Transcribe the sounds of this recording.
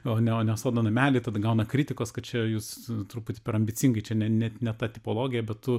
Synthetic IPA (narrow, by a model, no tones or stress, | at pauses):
oːnʲɛoːnʲɛsoːd̪ɐnɐmʲæːlʲɪt̪ɐd̪ɐɡɐʊnɐkɾʲit̪ʲɪkoːskɐt̪t͡ʃʲɛjuːst̪ɾʊpuːt̪ʲɪpʲɛɾɐmʲbʲɪt͡sʲɪŋɡɐɪt͡ʃʲɛnʲɛnʲɛtnʲɛt̪ɑt̪ʲɪpoːlˠoːɡʲɪjɛbʲɛt̪tʊ